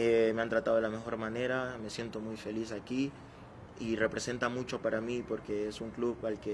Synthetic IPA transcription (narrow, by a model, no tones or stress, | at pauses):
eme̞ant̪ɾat̪aðo̞elame̞xo̞ɾmane̞ɾame̞sje̞nt̪o̞mujfe̞lisaki | ire̞pɾese̞nt̪amut͡ʃo̞paɾamipo̞ɾke̞esuŋkluβalke